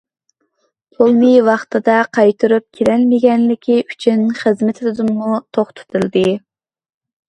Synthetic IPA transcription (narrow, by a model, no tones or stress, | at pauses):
t̪ʰolˠnɨwɑχt̪ɨd̪ɑqʰɑjt̪ʰɨɾup̚kʲʰelɛlmɪɡʲɛnlɪkʲʰiʔy̥t͡ʃʰynχəzmɪt̪ʰɪd̪ɪd̪ɨmːut̪ʰoχt̪ʰɨ̥t̪ʰɨlˠd̪ɨ